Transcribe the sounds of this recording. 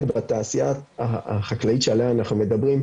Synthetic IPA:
dbat̪aːsiaaχaklaitʃealeaːnaχnume̞d̪abʁim

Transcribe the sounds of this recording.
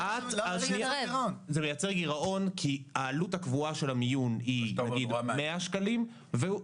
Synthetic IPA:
ʔat̪alʃniezemejat͡seʁɡiʁaʔo̞nkʰiaːluthakvuaʃe̞lamijuninɡidmeaʃkalim | ve

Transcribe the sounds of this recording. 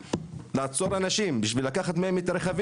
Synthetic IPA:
laːt͡so̞ɾanaʃimbiʃvilakaχat̪mahemet̪aɾeχav

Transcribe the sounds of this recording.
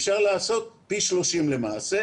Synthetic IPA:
fʃaʁlaːso̞t̪̚piʃlo̞ʃimlemaːse

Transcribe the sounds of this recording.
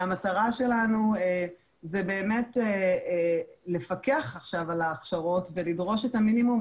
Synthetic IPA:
amataʁaʃe̞lanue | zebe̞ːmete | le̞fakeaχaχʃavalaːχʃaʁo̞tve̞lidʁo̞ʃetaminimum

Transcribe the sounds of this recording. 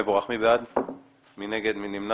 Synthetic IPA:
eboʁaχmibead̪ | mineɡed̪minimna

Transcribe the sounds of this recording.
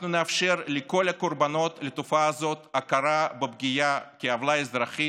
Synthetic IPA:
nuneafʃe̞ɾleko̞lakorbano̞t̪let̪ofaːzo̞t̪akaɾabebɡʲijakʲeavlaezd̪ɾaχi

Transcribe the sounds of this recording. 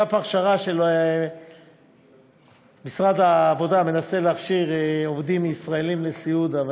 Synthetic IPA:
apaʁʃaʁaʃelo | misʁad̪aːvo̞d̪ame̞naseleaχʃiʁovd̪imisʁaelimlesiud̪av

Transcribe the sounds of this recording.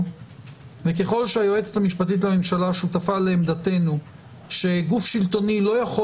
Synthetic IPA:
ve̞ke̞χo̞lʃeajo̞e̞t͡slamiʃpat̪it̬lamemʃalaʃut̪afaleːmd̪ate̞nu | ʃe̞ɡufʃilto̞nilo̞jaχo

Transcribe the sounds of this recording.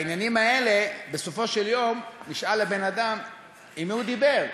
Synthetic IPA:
injanimaelebesofo̞ʃeljo̞mniʃalebe̞nad̪am | imhud̪ibeʁ

